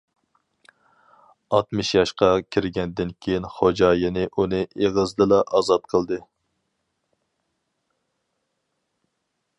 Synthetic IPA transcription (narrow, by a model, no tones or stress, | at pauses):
ɑt̪mɨʃjɑʃqɑkʲʰiɾɡʲɛnd̪ɪnkʲʰejinχod͡ʒɑːjɪnɪʔunɨʔeʁəzd̪ɨlɑʔɑzɑt̪̚qʰəlˠd̪ɨ